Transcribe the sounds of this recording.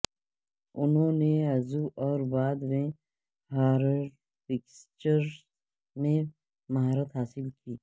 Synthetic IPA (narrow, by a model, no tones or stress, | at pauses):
ʊnɦõːneɐzuʔɔːɾbaːd̪mẽ | ɦaːɾəɾ | pɪkst͡ʃəɾ | mẽ | mɐɦaːɾət̪ɦaːsɪlkiː